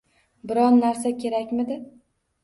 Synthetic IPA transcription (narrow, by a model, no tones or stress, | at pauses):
bɪɾɒnːaɾsakʲʰe̞ɾakʲmɪd̪ɪ